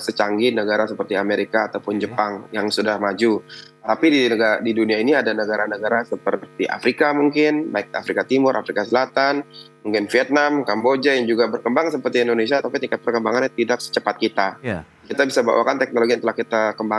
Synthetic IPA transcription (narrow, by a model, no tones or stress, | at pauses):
sət͡ʃaŋɡinəɡaɾasəpərt̪iameɾikaːt̪awpʊnd͡ʒəpaŋjaŋsudahmad͡ʒu | t̪apidiəɡadiduniainiadanəɡaɾanəɡaɾasəpərt̪iʔa̰fɾikamuŋkɪnba̰ɪk̚a̰fɾikat̪imʊɾʔa̰fɾikasəlat̪anmuŋkɪnfiɛt̪̚namkambod͡ʒajaŋd͡ʒuɡabərkəmbaŋsəpərt̪iɛndones̬iat̪apit̪ikɛt̪̚pərkəmbaŋanat̪idak̚sə̥t͡ʃəpat̪̚kit̪a | kit̪abisaba̰wa̰kant̪ɛk̚noloɡint̪əlahkit̪akəmba